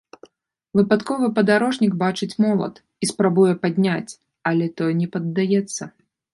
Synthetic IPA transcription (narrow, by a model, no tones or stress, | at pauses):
vɨpat̪kɔvɨpɐd̪aɾɔʐnʲikbat͡ʂɨt͡sʲmɔlˠɐ̰t̪ | ispɾabujɛpad̪ʲnʲat͡sʲ | ɐlʲɛt̪ɔjɛnʲɛpɐd̪ːajɛt̪sːɐ